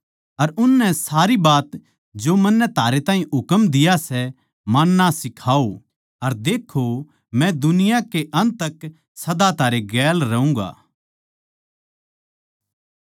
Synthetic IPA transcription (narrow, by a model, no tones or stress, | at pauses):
ɐɾʊnːɛsaːɾibaːt̪ | d͡ʒomɐnːɛt̪ʰaːɾet̪aːɦĩɦʊkəmd̪ɪjasɛ | manːasɪkʰaːo | ɐɾd̪eːkʰːo | mɛ̃d̪ʊnɪjakeʔɐ̃nt̪ək | sɐd̪at̪ʰaːɾeɡɛːlɾɐũːɡa̰ː